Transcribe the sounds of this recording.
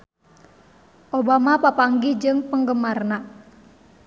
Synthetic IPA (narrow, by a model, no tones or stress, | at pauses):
ʔobamapapaŋɡid͡ʒɨŋpəŋɡəmarna